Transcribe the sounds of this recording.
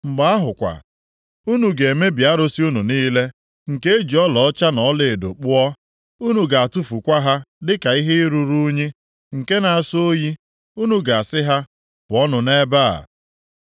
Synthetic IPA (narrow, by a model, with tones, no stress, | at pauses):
ŋ͡m̩˨ɡ͡ba˦a˦ɦʊ˨kʷa̰˨ | u˦nu˨ɡe˨e˨me˦bja˦ɾo˦si˦u˦nu˨niː˦le˦ | ŋ̩˨ke˦e˦d͡ʒi˨ɔ˦lɔ˨ɔ˦t͡ʃa˦nɔ˨˦le˨e˨do̰˨k͡pʊ˦ɔ˦ | u˦nu˨ɡa˨a˨tu˦fu˨kʷa˦ɦa˦dɪ˦ka˨i˦ɦe˦i˦ɾu˦ɾu˦ɲi˦ | ŋ̩˨ke˦na˨a˨so˦ji˦ | u˦nu˨ɡa˨a˨sɪ˦ɦa˦ | pɔ˦nʊ˨ne˦ba˦a̰˨